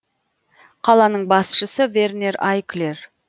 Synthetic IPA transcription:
qʰɑlˠɑnəɴbɑsʃəsəve̞rne̞ɾajkler

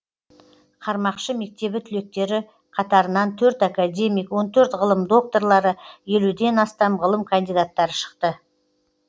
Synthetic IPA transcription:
qʰɑɾmɑqʃəme̞k̚t̪e̞bɪt̪ʰʏle̞k̚t̪e̞ɾɪ | qʰɑt̪ɑɾənɑnt̪ʰɵɾt̪akad̪ʲe̞mijkwo̞nt̪ʰɵɾt̪ʁəlˠəmd̪o̞k̚t̪o̞ɾlˠɑɾəje̞lud̪e̞nɑst̪ɑmʁəlˠəmkʰɐnd̪ijd̪at̪ːɑɾəʃə̥qt̪ə

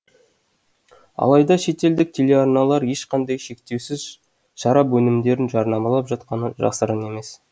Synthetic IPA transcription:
ɑ̰lˠɑjd̪ɑʃe̞t̪e̞ld̪ɪk̚t̪ʲʰe̞lʲe̞aɾnɑlˠɑɾje̞ʃqɑnd̪ɑjʃe̞k̚t̪e̞wsɪz | ʃɑɾɑpwɵnɪmd̪e̞ɾɪnʒɑɾnɑmɑlˠɑpʒɑt̪qɑnəʒɑ̰səɾəne̞me̞s

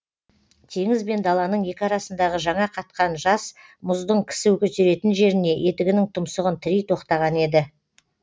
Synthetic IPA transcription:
t̪ʰe̞ŋɪzbe̞nd̪ɑlˠɑnəɴje̞kʲɪɑɾɑsənd̪ɑʁəʒɑɴɑqʰɑt̪̚qɑnʒɑs | mʊzd̪əɴkʲʰɪ̥sɪwɵkʲɵt̪e̞ɾe̞t̪ɪnʒe̞ɾɪne̞ʔe̞t̪ɪɡʲɪnɪŋt̪ʰʊmsəʁənt̪ʰɪɾijt̪ʰo̞qt̪ɑʁɑne̞d̪ɪ

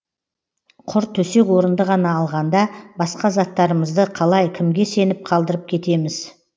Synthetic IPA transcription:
qʰʊɾt̪ʰːɵse̞kwo̞ɾənd̪əʁɑnɑːlˠʁɑnd̪ɑbɑsqɑzɑt̪ːɑɾəməzd̪əqʰɑlˠɑjkʲʰɪmɡʲe̞se̞nɪp̚qʰɑlˠd̪əɾəp̚kʲʰe̞t̪e̞mɪz̥

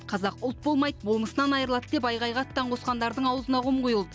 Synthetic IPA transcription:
qʰɑzɑqʊlˠt̪̚bo̞lˠmɑj̪əbolˠməsənɑnɑjɾəlˠɑt̪d̪e̞pɑjʁɑjʁɑt̪ːɑɴqʰosqɑnd̪ɑɾd̪əɴɑwəzənɑʁʊmqʰujəlˠd̪ə

